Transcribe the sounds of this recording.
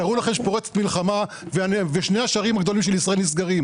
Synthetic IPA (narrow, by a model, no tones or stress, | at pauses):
aʁulaχemʃepo̞ʁet͡se̥t̪milχama | veanveʃnejaʃaʁimaɡd̪o̞limʃ̬elisʁaelnis̬ɡaʁim